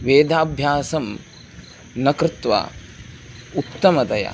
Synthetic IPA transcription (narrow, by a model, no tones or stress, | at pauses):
ʋeːd̪ʱaːbʱjaːsɐm | nɐkɾɪt̪ʋa̰ | ut̪ːɐmɐd̪ɐjɐ̰